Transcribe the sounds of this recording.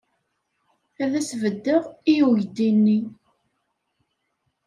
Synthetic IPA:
æðæsvəd̪ːəʁijuʝd̪inːi

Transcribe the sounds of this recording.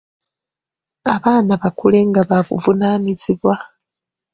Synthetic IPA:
aβaːnaβakʰule̞ŋɡaβaβṵvunaːniziβwa

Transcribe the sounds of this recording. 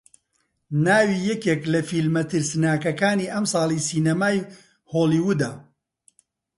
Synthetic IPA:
naːwiːjɛkeklɐfiːlmɐt̪ɨɾsnaːkɐkaːniːʔɐmsɑːlˠiːsiːnɐmaːj | hoːliːwud̪aː

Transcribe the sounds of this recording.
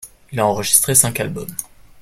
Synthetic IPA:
ilaɑ̃ʁəʒist̪χesɛ̃kalbɔm

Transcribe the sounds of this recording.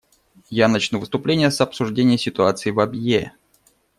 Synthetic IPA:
janɐt͡ɕnuvɨst̪ʊplʲenʲɪjəsɐpsʊʐdʲenʲɪjəsʲɪt̪ʊat̪sɨɪvɐbje

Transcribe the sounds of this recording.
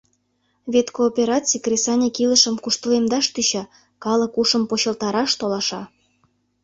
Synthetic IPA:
βʲet̪koːpʲeɾɑt͡sʲijkrʲesɑnʲekilə̆ʃə̆mkuʃt̪əlemd̪ɑʃt̪yɕɑ | kɑləkuʃə̆mpoɕə̆lt̪ɑɾɑʃt̪olɑʃɑ

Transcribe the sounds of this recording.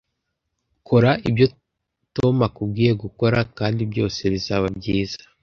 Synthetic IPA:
kʰo̞ɾaʔibjo̞ | to̞makub̚ɡiːje̞ɡuko̞ɾakaːndibjo̞ːse̞βizaːβabɟiːzḁ

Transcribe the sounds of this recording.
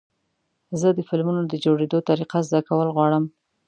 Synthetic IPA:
zəd̪əfɪlmunod̪əd͡ʒoɽed̪ot̪aɾiqazd̪akawəlɣwɑɽəm

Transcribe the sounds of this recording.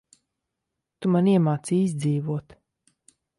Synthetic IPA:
t̪umaniɛmaːt̪siːizʲd̪ziːvuɔt̪

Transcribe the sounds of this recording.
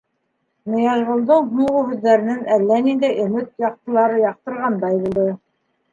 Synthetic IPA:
mɤ̆jɑʒʁŏlˠd̪ɤɴɦuʁuɦʉðːæɾɘ̆nɘnælːænind̪æjʔɵ̆mɘt̪̚jɑq̚t̪ɤ̆lˠɑɾɤjɑq̚t̪ɤ̆ɾʁɑnd̪ɑjbulˠd̪ɤ

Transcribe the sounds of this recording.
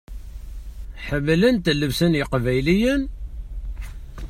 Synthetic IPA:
ħəmːlənt̪əlːəvsənjəqvæjlijən

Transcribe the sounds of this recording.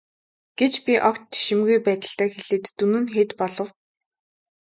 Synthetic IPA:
ɡ̥et͡ɕpʲiʔɔkt̪t͡ɕːe̥ʃɪ̆mɡujpæːt̪ə̆ɬt̪æːxeɮeːt̪ːunɘ̆nxeːt̪pɔɮɞ̆w

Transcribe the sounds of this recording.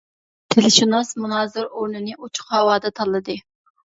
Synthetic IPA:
t̪ʰelɪʃunɑsmunɑːzɨɾoɾnɨnɨʔut͡ʃʰʊ̥χhɑwɑːd̪ɛt̪ʰɑlˠːɨd̪ɨ

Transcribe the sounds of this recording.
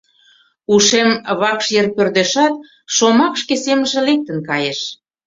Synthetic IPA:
uʃemβɑkʃjerpørd̪eʃɑt̪̚ | ʃomɑkʃkeseməʒĕlek̚t̪ə̆nkɑjeʃ

